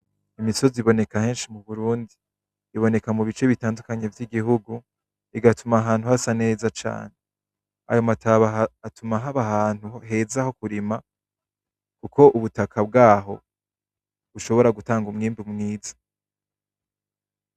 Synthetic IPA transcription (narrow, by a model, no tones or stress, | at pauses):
imiso̞ziβo̞ne̞kahe̞ːnʃimuβuɾuːndiː | βo̞ne̞kamuβit͡ʃe̞βitaːndukaɲe̞vjiɡiɦuɡu | iɡatumaɦaːn̥huhasane̞ːzat͡ʃa̰ːne̞ | a̰jo̞mataβaaːtumaɦaβaɦaːn̥huoɦe̞ːzaho̞kuɾima | kuko̞ʔuβutakʰabɡaːɦo̞̰ | βuʃo̞βo̞ɾaɡutaːŋɡumŋiːmbumŋiːzḁ